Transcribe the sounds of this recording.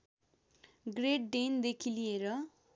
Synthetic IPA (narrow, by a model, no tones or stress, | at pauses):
ɡreʈ̚ɖend̪ekʰilijeɾʌ